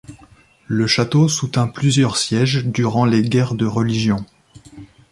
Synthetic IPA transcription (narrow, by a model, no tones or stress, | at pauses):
ləʃat̪osut̪ɛ̃plyzjœʁsjɛʒd̪yʁɑ̃leɡʲɛʁd̪əʁəliʒjɔ̃